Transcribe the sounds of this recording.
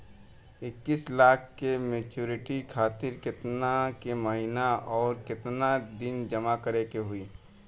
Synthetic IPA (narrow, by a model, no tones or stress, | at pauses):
ɪkːislaːkʰkemeːt͡ʃuːɾɪʈikʰaːt̪ɪɾkɪt̪nakeməɦinaɔːɾkɪt̪nad̪ɪnd͡ʒɐmakəɾekeɦʊiː